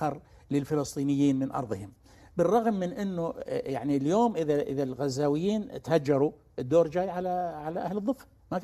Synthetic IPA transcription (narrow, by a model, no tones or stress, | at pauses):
ɑɾˤ | lɪlfɪlɨsˤt̪ˤiːnɪjːiːnmɪnʔɑ̰ɾˤðˤɨhɪm | bɪrˤːɑɣmːɪnʔɪnːujaʕniljoːmʔɪðaʔɪ̰ðalɣazːaːwɪjːiːnt̪had͡ʒːɑɾˤu | ʔɪd̪ːoːɾˤd͡ʒaːjʕalaʕalaʔahlɨðˤːɨfːḁ | ma